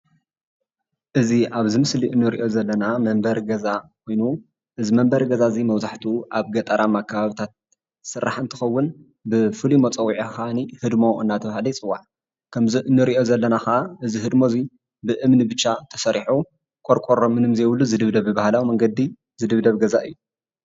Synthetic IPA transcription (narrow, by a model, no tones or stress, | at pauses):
ʔɨziʔaβzɨmɨsliʔɨnːuɾḭʔo̞zɐlːɐnamɐmbɐɾɡɐzakʰo̞jnu | ʔɨzimɐmbɐɾɡɐzazimɐwzaħt̪ʰiʔaβɡɐt̪ʼɐɾʔamakʰːaβaβit̪ʰat̪̚ | sɨrːaħɨnt̪ʰɨxɐwːʊn | bɨfɨlimot͡sʼɐwiʕixanihɨd̪mo̞ʔɨ̰nːat̪ʰɐβahlit͡sʼɨwːaħ | kʰɐmziʔɨnːɨɾiʔo̞zɐlːɐnaxaʔaʔɨziɦɨd̪mo̞zi | bɨʔɨmnɨbɨt͡ʃːat̪ʰɐsɐɾiħu | kʼoɾkʼoɾomɨnɨmzewlːuzɨd̪ɨβd̪ɐβɨbahlawimɐŋɡɐd̪ːi | zɨd̪ɨβd̪ɐβɡɐzaʔɨjːu